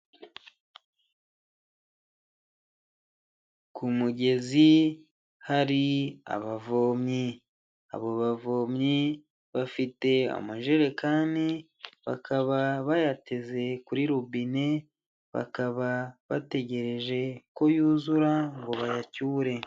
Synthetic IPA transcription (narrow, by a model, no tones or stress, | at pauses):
kumuɟe̞zi | haɾia̰βavo̞ːmɲi | a̰βo̞βavo̞ːmɲi | βafite̞a̰maʒeɾe̞kaːndi | βa̰kʰaβaβajate̞ze̞kuɾiɾubine̞ | βa̰kaβaβate̞ɟe̞ɾe̞ʒe̞ko̞juːzuɾaŋɡo̞βajacuːɾe̞